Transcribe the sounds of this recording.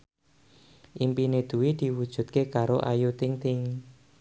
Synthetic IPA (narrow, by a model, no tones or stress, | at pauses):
ʔimpined̪̥ṳwid̪̥i̤wud̥ʒ̥ṳt̪̚kekaɾoʔa̰jut̪ɪŋt̪ɪŋ